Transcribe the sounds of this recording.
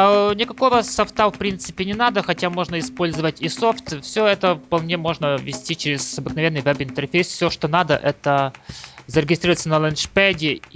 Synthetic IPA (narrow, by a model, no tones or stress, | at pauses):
nʲɪkɐko̞vəsɐft̪afpɾʲint̪sɨpʲɪnʲɪnad̪əxɐtʲamo̞ʐnəɪspolʲzɨvətʲiso̞ft̪fsʲɵɛt̪əfpɐlˠnʲe̞mo̞ʐnəvʲɪsʲtʲit͡ɕɪɾʲɪz̥ɐbɨknɐvʲe̞nːɨjvɛbɪnt̪ɛrfʲejsfʲsʲoʂt̪onad̪ə̰ʔɛt̪ə | zəɾʲɪɡʲɪsɾiɾvətsənəlˠənʂpʲɛdʲɪ